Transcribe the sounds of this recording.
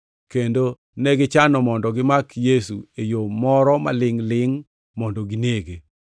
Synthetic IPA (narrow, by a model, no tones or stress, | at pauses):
kendo | nɛɡɪt͡ʃanɔmɔndɔɡɪmakjesuejomɔɾɔma̰lɪŋlɪŋ | mɔndɔɡɪneɡe